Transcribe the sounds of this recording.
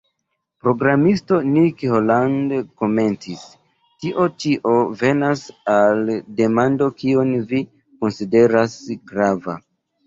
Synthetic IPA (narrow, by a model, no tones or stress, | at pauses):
pɾo̞ɡɾamisto̞nikholandko̞me̞ntis | tiʔo̞tiʔo̞ve̞nasalde̞mando̞kio̞nvi | ko̞nside̞ɾasɡɾava̰